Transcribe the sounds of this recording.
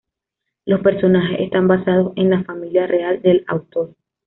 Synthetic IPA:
lo̞spe̞ɾso̞naxe̞sḛst̪ambasað̞o̞se̞nlafamiljarʔeald̪e̞la̰wt̪o̞ɾ

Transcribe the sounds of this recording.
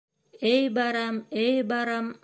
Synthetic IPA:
ejbaɾamejbaɾam

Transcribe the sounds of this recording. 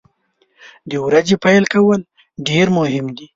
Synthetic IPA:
d̪əwɾad͡ʒepajlkawəl | ɖeɾmʊhɪmd̪i

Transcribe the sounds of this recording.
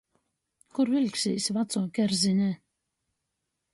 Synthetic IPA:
kuɾvʲilʲksʲiːsʲvat̪sɔːkʲɛɾzʲinʲɛ

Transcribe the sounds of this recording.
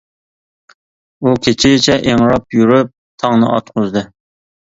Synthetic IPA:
ukʲʰet͡ʃʰɪɡʲɪt͡ʃʰɛʔeŋɾɑpjyɾyp̚t̪ʰɑŋnɨ̰ʔɑ̰t̪̚qʰʊzd̪ɨ

